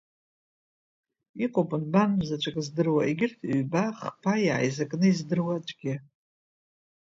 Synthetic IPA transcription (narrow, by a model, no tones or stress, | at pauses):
iqʼopʼɨnbanmzat͡ʃʷʰʼakʼzdɨrwaʔiɡʲɪrtʰɥbaχpʰajʕa̰jzakʼnɨizdɨrwat͡ʃʷʼɡʲɪ